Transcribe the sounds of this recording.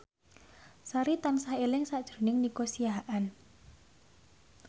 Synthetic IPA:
saɾit̪ansaelɪŋsad̥ʒ̥ɾ̤nɪŋnikosiaɦʔan

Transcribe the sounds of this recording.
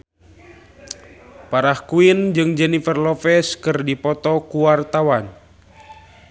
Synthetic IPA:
paɾahkuind͡ʒɨŋd͡ʒɛnifɛrlɔfɛskɨrdipɔt̪ɔkuwart̪awan

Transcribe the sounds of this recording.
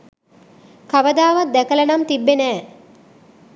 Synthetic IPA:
kaʋəd̪aːʋat̪̚d̪ækələnamt̪ibːenæː

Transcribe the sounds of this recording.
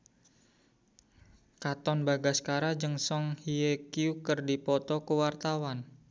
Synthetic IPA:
kat̪ɔnbaɡaskaɾad͡ʒəŋsɔŋhiekiukərdipɔt̪ɔkəwart̪awan

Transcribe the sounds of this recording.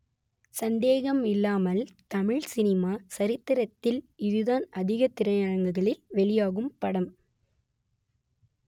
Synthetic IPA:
sɐnd̪eːɣɐmɪlːaːmɐlt̪ɐmɪɻsɪnɪmaːsɐɾɪt̪ːɪɾɐt̪ːɪlɪðɯðaːnɐðɪɣɐt̪ːɪɾɐjɐɻɐŋɡɯɣɐɭɪlʋɛɭɪjaːɣɯmpɐɽɐm

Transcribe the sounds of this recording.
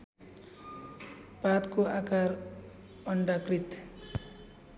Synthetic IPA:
pat̪koʔakaɾ | ʌɳɖakrit̪

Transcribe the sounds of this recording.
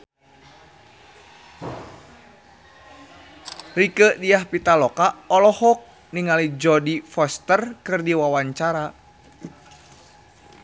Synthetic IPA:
rikədiahpit̪alɔkaɔlɔhɔk̚ | niŋalid͡ʒɔdifɔst̪ərkɨrdiwawaɲt͡ʃaɾa

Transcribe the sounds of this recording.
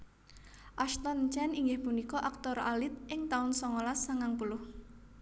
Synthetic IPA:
ʔaʃt̪ɔnt͡ʃɛniŋɡɪhpunikɔʔak̚t̪ɔɾʔa̰lɪt̪̚ʔɪŋt̪aʊnsɔŋolasaŋaŋpulʊh

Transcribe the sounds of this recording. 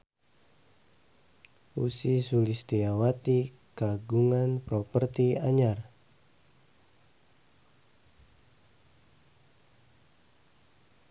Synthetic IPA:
usisulist̪iawat̪i | kaɡuŋanpɾɔpərt̪iaɲar

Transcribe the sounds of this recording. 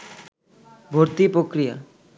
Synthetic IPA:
bʱoɾt̪ipɾokɾija̰

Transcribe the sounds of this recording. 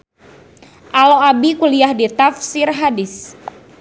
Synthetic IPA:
ʔaloabikuliahdit̪afsirɦadɪs

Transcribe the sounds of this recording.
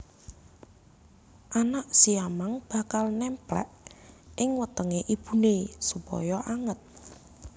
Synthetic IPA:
ʔanaʔsiamaŋb̥a̤kalnɛmplɛ̰ʔɪŋwət̪əŋeʔib̥ṳnesupɔ̰jɔʔaŋət̪̚

